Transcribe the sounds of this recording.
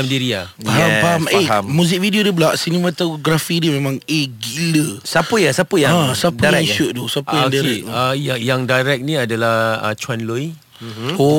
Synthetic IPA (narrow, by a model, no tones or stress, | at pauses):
amdiɾiafaɦaaameammũzik̚vidiodiblaʔsinemat̪aɡɾafidimẽmãŋeɡiləsapəjasapəjaasadəaɾɛ̃iʃuʔ̪̚dusapəjãdaɾɛk̚ajajaŋdajɾɛk̚nĩadalahə̰t͡ʃwanloj | o